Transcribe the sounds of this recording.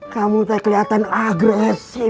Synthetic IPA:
kamut̪akəliɦat̪anaɡɾɛsi

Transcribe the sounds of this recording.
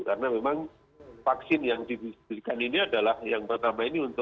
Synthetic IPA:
kaɾənamemaŋ | faksɪnjaŋdibibɾikaniniadalahjaŋpərt̪amainiunt̪ʊ

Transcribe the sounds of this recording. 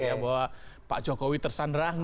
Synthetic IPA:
jabawapa̰ʔd͡ʒokɔwit̪ərsandɾahŋ

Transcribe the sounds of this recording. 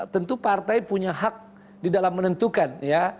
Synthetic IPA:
t̪ənt̪upart̪ajpuɲaɦak̚ | didalamːənənt̪ukanja

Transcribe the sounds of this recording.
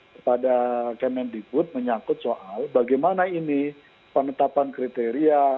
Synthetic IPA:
kəpadakəmɛndibʊt̪̚məɲakʊt̪̚soʔalbaɡajmanaini | pənət̪apankɾit̪eɾia

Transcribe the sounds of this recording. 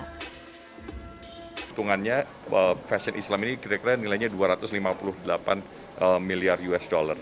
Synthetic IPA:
t̪uŋanɲa | əfɛsiɔnʔislaminikiɾakiɾanilajɲaduaɾat̪ʊslimapulʊhdəlapan | əmiliarjuɛsdolar

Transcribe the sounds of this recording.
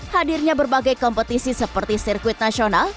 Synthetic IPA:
hadirɲabərbaɡajkɔmpət̪isisəpərt̪isirkuɪt̪̚nasional

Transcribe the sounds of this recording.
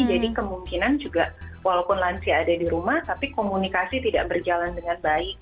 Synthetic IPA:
d͡ʒadikəmuŋkinand͡ʒuɡaʔwalawpʊnlansiadadiɾumaht̪apikomunikasit̪idaʔbərd͡ʒalandəŋanbaɪk̚

